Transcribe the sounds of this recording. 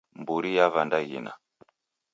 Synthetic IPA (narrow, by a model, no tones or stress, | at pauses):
mbuɾijavandajḭna̰